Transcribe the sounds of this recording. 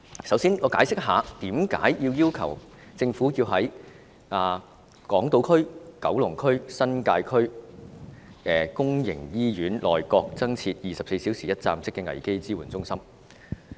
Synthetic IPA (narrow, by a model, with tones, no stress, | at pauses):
sɐ˨˥wsiː˥nŋɔː˨˧kaː˨˥jsɪ˥k̚ɦaː˨˧t̪iː˨˥mka̰ː˨˥jjiː˧wjiː˥wkʰɐ̰˨˩w | t͡sɪ˧ŋfuː˨˥jiː˧wɦɐ˨˥j | ʔaː˨˩ | kɔː˨˥ŋt̪o˨˧wkʰɵ˥ɥkɐ˨˥wlʊ˨˩ŋkʰɵ˥ɥsɐ˥nkaː˧jkʰɵ˥ɥ | ɛː˨˩kʊ˥ŋjɪ̰˨˩ŋjiː˥jyː˨˥nlɔ̰ː˨jkɔː˧k̚t͡sɐ˥ŋt͡sʰiː˧t̚jiː˨sɐ˨p̚se˧jsiː˨˥wsiː˨˩jɐ˥t̚t͡sa̰ː˧msɪ˥kːɛ˧ŋɐ̰˨˩jke˥jt͡siː˥wuː˨˩nt͡sʊ˥ŋsɐ˥m